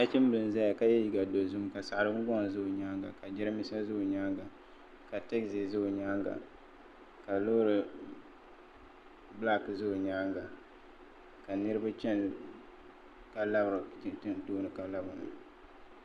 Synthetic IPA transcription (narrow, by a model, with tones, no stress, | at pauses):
ta˦t͡ʃɪ˦m˦bɨ˨n˨za˦ja˨ka˦jɛ˦ji˨ɡa˨do˨zʊ˦mka˨sa˨ʔɾɨ˦bʊ˦ɡɔ˦ŋ˨zʊ˦ʔʊ˨ɲa˦ŋɡa̰˨ka˨d͡ʒɪ˦ɾɨ˦mi˦sa˦zʊ˦ʔʊ˨ɲaː˦ŋɡa˨ | ka˨tɛ˦ksi˨szʊ˦ʊ˨ɲaː˦ŋɡa̰˨ | ka˨lo˦ɾɨ˨ | bla˦kzʊ˦˨ɲaː˦ŋɡa˨ | ka˨nɨ˦ɾɨ˦ba˦t͡ʃɛ˦n˨ | ka˨la˦bɾɨ˨˦˨ɨ˦n˦toː˦nɨ˨ka˨la˦bʊ˨nɨ̰˨